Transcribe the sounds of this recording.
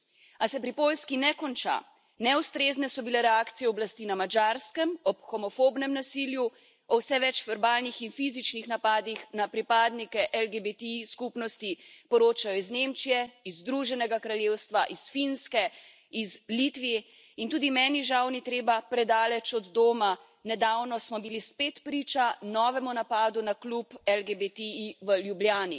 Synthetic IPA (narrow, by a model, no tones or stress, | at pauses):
asɛpɾipolskinɛkɔnt͡ʃa̰ | nɛust̪ɾeːznɛsɔbilɛɾɛaːkt̪sijɛɔblast̪inamad͡ʒaɾskɛmɔpxɔmɔfobnɛmnasilju | ɔwsɛʋɛt͡ʃʋɛɾbaːlnixinfizit͡ʃnixnapaːd̪ixnapɾipaːd̪nikɛʔɛlɡebet̪ɛiskupnɔst̪ipɔɾoːt͡ʃajɔiznemt͡ʃijɛizːd̪ɾuːʒɛnɛɡakɾaljeːwst̪ʋaʔisfinskɛ | izlit̪ʋijɛ | int̪uːd̪imɛːniʒawnit̪ɾeːbapɾɛd̪aːlɛt͡ʃɔd̪d̪oːma | nɛd̪awnɔsmɔbilispeːt̪pɾiːt͡ʃanɔːʋɛmunapaːd̪unaklupɛlɡebet̪ɛiʋəljubljaːni